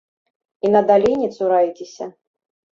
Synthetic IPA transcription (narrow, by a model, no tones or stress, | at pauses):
inɐd̪alʲinʲit̪suɾajt͡sʲesʲɐ̰